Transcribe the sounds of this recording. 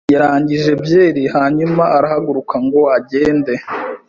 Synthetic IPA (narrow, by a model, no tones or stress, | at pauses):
jaɾaːɲɟiʒe̞bje̞ːɾihaːɲumaʔaɾahaɡuɾukʰaŋɡo̞aɟe̞ːnde̞